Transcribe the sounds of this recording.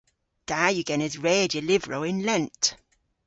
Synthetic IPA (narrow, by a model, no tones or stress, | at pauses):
d̥ajəɡɛnəzɹɛːdjəlɪvɹoʊɪ̃nlɛ̃nt